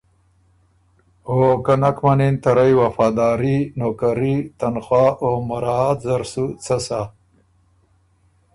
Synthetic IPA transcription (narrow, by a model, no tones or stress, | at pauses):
okanakmanint̪aɾajwafɑːd̪ɑːɾinoːkaɾit̪anxwaːʔomaɾɑt̪zaɾsut͡sasa